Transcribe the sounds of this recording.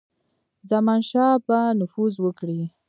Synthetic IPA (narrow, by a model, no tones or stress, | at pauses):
zamɑnʃɑpanʊfuzwəkɽi